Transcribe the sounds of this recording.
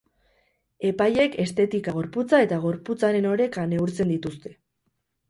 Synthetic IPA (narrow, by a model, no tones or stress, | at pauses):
e̞paje̞ke̞st̪e̞t̪ikaɣ̞o̞ɾput͡sae̞t̪aɣ̞o̞ɾput͡saɾe̞no̞ɾe̞kane̞uɾt͡se̞nd̪it̪ust̪e̞̥